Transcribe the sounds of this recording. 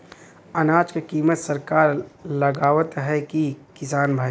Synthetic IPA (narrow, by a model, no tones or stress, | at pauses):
ənaːd͡ʒkekiːmət̪səɾkaːɾləɡaːʋət̪ɦɛkikɪsaːnbʱaː